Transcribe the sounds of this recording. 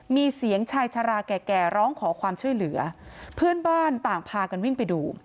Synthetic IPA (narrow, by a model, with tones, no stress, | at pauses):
miː˧si˩˦əŋt͡ɕʰaː˧jt͡ɕʰa˧ɾaː˧kɛː˨˩kɛː˨˩ɾɔː˦˥ŋkʰɔː˩˦kʰwaː˧mt͡ɕʰu˥˩əjlɯ˩˦ɐpʰɯː˥˩ənbaː˥˩nt̪aː˨˩ŋpʰaː˧ka˧nwi˥˩ŋpa˧jduː˧